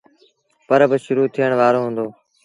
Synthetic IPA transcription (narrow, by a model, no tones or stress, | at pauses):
pəɾbɪʃʊɾuːt̪ʰijəɳ̃ʋaːɾoːɦũːnd̪oː